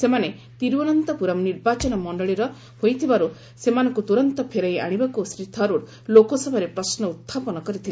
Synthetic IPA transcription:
semane | t̪iɾbɔnɔnt̪ɔpuɾɔmniɾbat͡ʃɔnɔmɔɳɖɔɭiɾɔ | hojt̪ʰibaɾu | semanɔ̃ŋkut̪uɾɔnt̪ɔpʰeɾaja̰ɽ̃ibakusɾit̪ʰɔɾuɾ | lokɔsɔbʱaɾepɾɔsnɔut̪ʰːapɔnɔkɔɾit̪ʰila

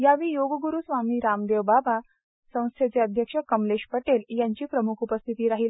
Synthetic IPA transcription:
jaʋiːjoɡəɡuɾuːsʋamiːɾamd̪eʋbaba | sə̃w̃st̪ʰet͡seəd̪ʱjəkʂəkəmleʂpəʈeljaɲt͡ɕiːpɾəmukʰupəst̪ʰit̪iːɾaɦiːl

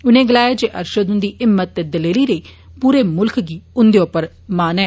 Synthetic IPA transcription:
ʊnẽːɡəlaːjeːd͡ʒeːʔə̰ɾʃəd̪ʊ̃nd̪iːʔɪmːət̪ːed̪əleːliːɾəiː | puːɾeːmʊlkʰɡiːʊnd̪eoːpəɾ | maːnɛː

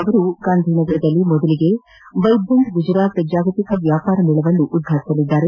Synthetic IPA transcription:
ɐʋɐɾuɡaːnd̪ʱiːnɐɡɐɾɐd̪ɐlːimɔd̪ɐliɡe̞ | ʋɐjb̪ʱʋɐnd̪ɡud͡ʒɾaːt̪d͡ʒaːɡɐt̪ikɐʋjaːpaːɾɐniːɭɐʋɐnːuʔːd̪̚ɡʱaːt̪i̥sɐlid̪ːaːɾe̞

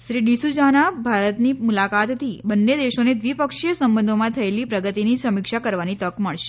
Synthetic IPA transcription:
ʃɾiɖisud͡ʒanabʱaɾət̪nimulakat̪ːibənːed̪eʃoned̪ʋipəkʃijəsəmbənd̪ʱomãt̪ʰəelipɾəɡət̪inisəmɪkʃakəɾʋanit̪əkməɭʃe̥

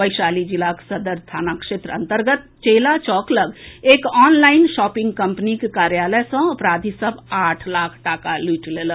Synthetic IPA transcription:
bəɪʃaːlid͡ʒilaksəd̪əɾt̪ʰaːnakʃeːt̪ɾəə̰̃nt̪əɾɡət̪̚t͡ʃeːlat͡ʃɔːkləɡeːkɔːnlaːɪnʃɔːpɪ̃ŋɡkəmpnikekaːɾjaːləsə̃ɐpɾaːd̪ʱisəbaːʈʰlaːkʰʈakaliːʈlelə

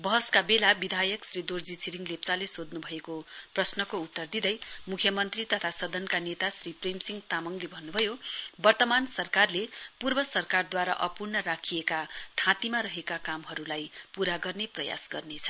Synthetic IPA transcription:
bʌɦʌskabelabid̪ʱajʌksrid̪ord͡zit͡sʰiɾiŋlept͡salesod̪nubʱʌekoprʌsnʌkout̪ːʌrd̪id̪ʌjmukʰjʌmʌnt̪rit̪ʌt̪ʰasʌd̪ʌnkanet̪asripremsiŋt̪amʌŋlebʱʌnːubʱʌjobʌrt̪ʌmansʌrkarlepurbʌsʌrkard̪waɾa̰ʔʌpurnʌɾakʰijekat̪ʰãt̪imaɾʌɦekakamɦʌɾulajpuɾaɡʌrneprʌja̰sɡʌrnet͡sʰʌ̥

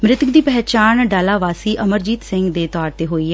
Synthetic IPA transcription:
mɾɪt̪ɡd̪iːpɛɦt͡ʃaːnɖaːlaːʋaːsiːʔəməɾd͡ʒiːt̪sɪ̃ŋɡd̪eːt̪ɔːɾt̪eːɦoːiːɛ

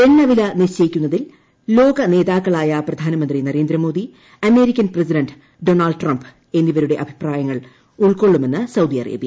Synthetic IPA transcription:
enːɐʋilɐniɕɐjikʲːunːɐðil | lo̞ːɡɐne̞ːðaːkːɐɭaːjɐprɐd̪ʱaːnɐmɐnd̪rinɐɾe̞ːnd̪ɾɐmo̞ːd̪i | ɐme̞ːɾikʲːɐnprɐsidɐnɖ | ɖo̞ːnɐɭɖʈrɐmb | e̞nːiʋɐɾuɽe̞ʔɐbʱi̥praːjɐŋːɐɭ | uɭko̞ɭːume̞nːɨsɐwd̪iɐrḛːbijɐ

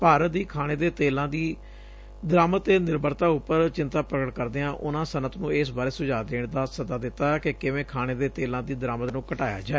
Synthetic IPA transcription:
paːɾəd̪iːkʰaːñeːd̪eːt̪eːlãːd̪iː | d̪əɾaːmət̪ːeːnɪɾbəɾt̪aːʊpːəɾt͡ʃɪnt̪aːpɾəɡəʈkəɾd̪eːãːʔʊnãːsənət̪nũːeːs̬baːɾeːsʊd͡ʒaːd̪eːɳd̪aːsəzaːd̪ɪt̪ːaːkɪkɪʋẽːkʰaːɽ̃eːd̪eːt̪eːlãːd̪iːd̪əɾaːmət̪nũːkəʈaːja̰ːd͡ʒaːeː

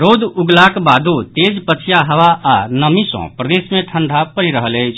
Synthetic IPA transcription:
ɾod̪uɡlakbad̪ʱut̪ed͡ʒpət͡ʃʰjaɦəʋaːnəmisɔ̰̃pɾəd̪esmẽʈʰəɳɖʱapəɾiɾəɦələjt͡ʃʰ

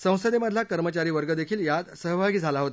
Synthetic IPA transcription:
sə̃w̃səd̪eməd̪ʱlakəɾmət͡ɕaɾiːʋəɾɡəd̪ekʰiːljad̪səɦbʱaɡiːd͡zʱalaɦot̪a

